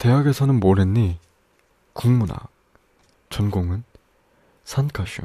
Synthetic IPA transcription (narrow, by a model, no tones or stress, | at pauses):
te̞ɦaɡe̞sʰʌnɯnmoɾenːi | kuŋmuna̰ | t͡ɕʌnɡoŋɯn | sʰankʰaɕʰṵ